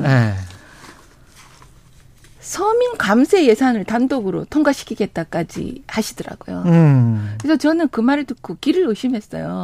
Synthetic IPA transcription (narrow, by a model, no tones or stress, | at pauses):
e | sʰʌminkamsʰe̞je̞sʰanɯɭtandoɡɯɾo̰tʰoŋɡaɕʰi̥kʰiɡe̞t̚t͈ak͈ad͡ʑḭhaɕʰidɯɾa̰ɡ̥ojo | kɾesʰʌt͡ɕʌnɯnkɯmaɾɯɭdɯkʰokiɾɯɭɯɕʰimɦe̞s͈ʌ̰jo